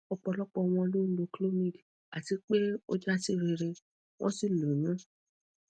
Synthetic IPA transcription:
ɔ˧k͡pɔ˧lɔ˦k͡pɔ˧w̃ɔ̃˧lo˦n̩˦do˧klo˦mĩ˦˨d | a˨ti˧k͡pe˦o̰˦d͡ʒa˦ti˦˨ɾe˧ɾe˧ | w̃ɔ̃˦si˦˨lo˨nã˦

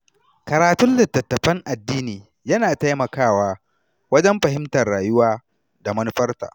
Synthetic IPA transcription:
kɐ˨ɾaː˨tʊ˦nlɪ˨tːɐ˨tːɐ˨ɸɐ˦ŋʔa˨dːiː˦niː˨ | jɐ˦naː˨ta˦jmɐ˨kaː˦˨waː˦ | wɐ˦d͡ʒɛ˦mɸɐ˨ɦɪ˦mtɐ˨rːaː˨jʊ˦waː˦ | da˨mɐ˦n˦ɸɐ˦rta̰ː˨

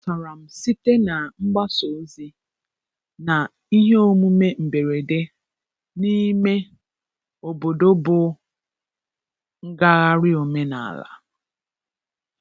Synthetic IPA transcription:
sa˨ɾa˨m̩˨si˦te˦na˨ŋ͡m̩˦ɡ͡ba˦so˨˦zi˦ | na˨ | i˦ɦe˦o˦mu˦me˦m̩˨be˨ɾe˨de˦ | ni˦me˦ | o˨bo˨do˦bʊ˦ | ŋ̩˦ɡa˦ɣa˦ɾɪ˦o˨me˦na̰˨la̰˨

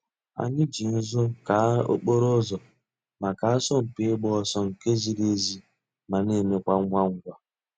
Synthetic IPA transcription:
a̰˦ɲɪ˦d͡ʒi˨n̩˦zʊ˦ka˨˦o̰˦k͡po˦ɾo˦zɔ˨ | ma˨ka˨a˦sɔ˦m̩˨pɪ˦ɡ͡bɔ˦sɔ˦ŋ̩˨ke˦zi˦ɾe˦zi˦ | ma˨ne˦˨me˦kʷa˦ŋ˦ŋʷa˦ŋ̩˦ɡʷa˦

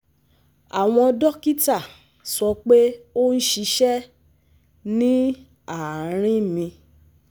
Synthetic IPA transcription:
a˨w̃ɔ̃˧dɔ˦ki˦ta˦˨ | sɔ˧k͡pe˦o˦n̩˦ʃi˧ʃɛ˦ | nĩ˦ | a˨˦ɾ̃ĩ˦mĩ˧

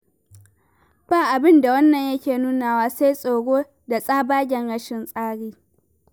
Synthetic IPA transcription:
b̥aː˦˨ʔa˨bɪ˦nda˨wɐ˦nːɐ˨ɲjɐ˦kʲeː˨nuː˦naː˨waː˦seː˦jsʼoː˨ɽoː˦ | da˨sʼaː˦baː˦ɡʲɛ˨ŋɽɐ˦ʃɪ˨nsʼaː˦ɽiː˦

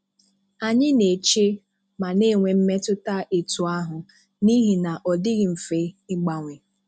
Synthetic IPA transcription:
a˨ɲɪ˦ne˨t͡ʃe˦ | ma˨ne˦˨ŋʷe˨m̩˦me˦tʊ˦ta˦ʔe˨tu˨a˦ɦʊ˨ | ni˦ɦi˨na˨ʔɔ˨dɪ˦ɣɪ˨m̩˨fe˨˦ɪ˦ɡ͡ba˨ŋʷɪ˨

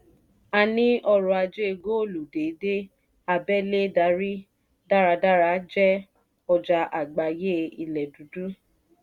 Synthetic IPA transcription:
a˧nĩ˦ʔɔ˧ɾɔ˧a˧d͡ʒe˦e˧ɡo˦o˦˨lu˨de˨˦de˦ | a˧bɛ˦˨le˦da˧˦ɾi˦ | da˦˨ɾa˧da˦ɾa˨˧˦d͡ʒɛ˦ | ɔ˧d͡ʒa˧ʔa˨ɡ͡ba˨je˦i˧lɛ˨du˨˦du˦

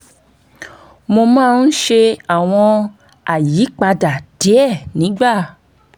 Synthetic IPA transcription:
mo˧mãː˦˧n̩˦ʃe˧a˦˨w̃ɔ̃˧ | a˨ji˨˦k͡pa˧da˨d̥e˨˦ɛ˦˨nĩ˨˦ɡ͡ba˦˨

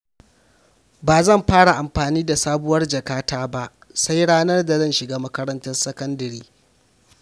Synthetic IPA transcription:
baː˨zɐ˦˨mɸaː˦ɽa˨ʔa˨mɸaː˨niː˦da˨saː˦bʊ˦wɐ˦rd͡ʒɐ˨kaː˦taː˦ba˦ʔ | sa˦jɽaː˦nɐ˦rda˨zɐ˦˨nʃɪ˨ɡaː˦mɐ˦kɐ˦ɾɐ˦ntɐ˦nsɐ˦kɐ˦ndɐ˨ɾiː˦

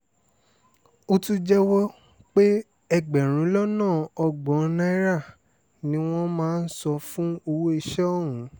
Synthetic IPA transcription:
o˧tu˦d͡ʒɛ˦wɔ˦ | k͡pe˦ | ɛ˧ɡ͡bɛ˨ɾ̃ũ˨˦lɔ˦nãː˦˨ɔ˧ɡ͡bɔ̃˨˦nã˦i˦ɾa˦˨ | nĩ˦w̃ɔ̃˦mãː˦˧n̩˦sɔ˧fũ˦o˧wo˦i˧ʃɛ˦ɔ˦˨ɦũ˨˦

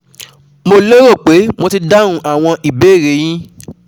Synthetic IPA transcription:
mo˧lo˦ɾo˦˨k͡pe˨˦mõ˧ti˧da˦ɾ̃ũ˦ʔa˦˨w̃ɔ̃˧ʔi˨be˨˦˨ɾe˨˦j̃ĩ˦

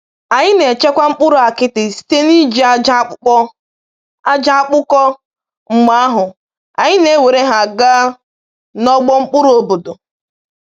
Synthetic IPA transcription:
a˨ɲɪ˦ne˨t͡ʃe˦kʷa˦ŋ͡m̩˦k͡pʊ˦ɾʊ˨a˨kɪ˦tɪ˨si̥˨te˦ni˦d͡ʒi˦a˦ɔ˦ | a˦d͡ʒa˦a˦k͡pʊ˦kɔ˦ | ŋ͡m̩˦ma˦a˦ɦʊ˨ | a˨ɲɪ˦ne˨˦we˨ɾe˦ɦa˨ɡa˦ | nɔ˦ɡ͡bɔ˦ŋ͡m̩˦k͡pʊ˦ɾʊ˨o˨bo˨dʊ˨

